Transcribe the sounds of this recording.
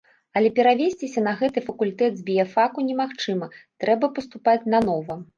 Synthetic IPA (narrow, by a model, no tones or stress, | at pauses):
ɐlʲɛpʲɛɾavʲesʲt͡sʲisʲɐn̪ɐɣɛt̪ɨfɐkulʲt̪ɛd̪zʲbʲijɐfakunʲɛmaxt͡ʂɨmɐt̪ɾɛbɐpɐst̪upat͡sʲnɐnɔvɐ